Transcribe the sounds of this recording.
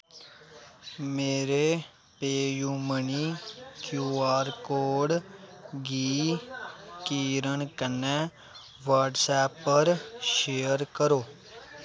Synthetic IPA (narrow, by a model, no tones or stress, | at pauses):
meːɾeː | peːjuːməɳiːkjuːaːɾkoːɖɡiː | kiːɾəɳkənɛ̃ː | ʋəːʈsɛːpːəɾʃeːəɾkəɾoː